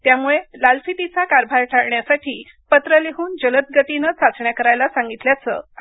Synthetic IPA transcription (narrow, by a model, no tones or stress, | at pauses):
t̪jamuɭelalfit̪it͡sakaɾbʱaɾʈʰaɽɳjasaʈʰiː | pət̪ɾəleɦuːnd͡ʑələt̪̚ɡət̪inət͡sat͡sɳjakəɾajlasaŋɡit̪ljat͡sə̰ː